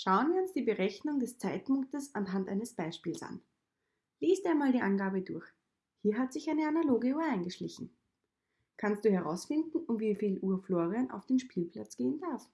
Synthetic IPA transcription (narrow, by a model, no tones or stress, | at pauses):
ʃaʊənviːɐʊnsd̥iːbəʁɛçnʊŋdɛst͡saɪt̚pʊŋktəsanɦantʔa̰ɪnəsb̥aɪʃpiːlsa̰n | leːstaɪnmaːldiːʔanɡaːbədʊɐç | hiːɐɦatz̥ɪçæɪnəanaloːɡəuɐaɪnɡəʃlɪçn̩ | kʰanstd̥uːhɛʁa̰ʊsfɪndn̩ʊntviːfiːlʔuːɐfloːʁiana̰ʊfd̥eːnʃpiːlpʰl̥a̰t͡sɡ̥eːəndaɐf